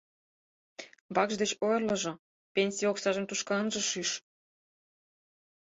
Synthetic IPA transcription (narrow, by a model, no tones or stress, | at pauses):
βɑkʒd̪et͡ɕojɤ̆rlɤ̆ʒɤ̆ | pʲenʲsʲijoksɑʒə̆mt̪uʃkɑənʒɤ̆ʃyʃ